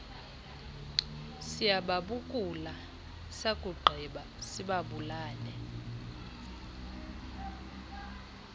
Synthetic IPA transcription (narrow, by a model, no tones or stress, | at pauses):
sijaɓaɓukʼula | sakʼuɡ͡ǃʱiɓa | siɓaɓulaːlɛ